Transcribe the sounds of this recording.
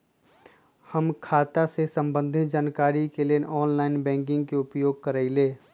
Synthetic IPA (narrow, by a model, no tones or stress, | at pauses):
həmkʰaːt̪asesə̃mbə̃nd̪ʱɪt̪d͡ʒaːnkaːɾikelenʔɔːnlaːɪnbɛ̃ːŋk̬ɪ̃ŋɡkeʊpjoːɡ̚kəɾaileː